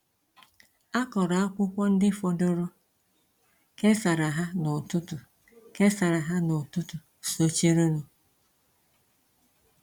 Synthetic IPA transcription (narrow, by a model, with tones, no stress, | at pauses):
a˦kɔ˨ɾɔ˨a˦kʷʊ˦kʷɔ˦n̩˦dɪ˦fɔ˨do˦ɾʊ˦ | ke˦sa˨ɾa˨ɦa˦nʊ˨tʊ˦tʊ˨ | ke˦sa˨ɾa˨ɦa˦nʊ˨tʊ˦tʊ˨ | so˦t͡ʃe˦ɾo˦ɾʊ˨